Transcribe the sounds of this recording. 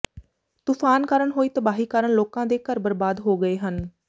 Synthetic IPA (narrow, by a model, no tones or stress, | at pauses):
t̪uːpʰaːnkəɾəɳɦoːiːt̪əbaːɦiːkəɾəɳloːkãːd̪eːkəɾbəɾbaːd̪ɦoːɡəeːɦən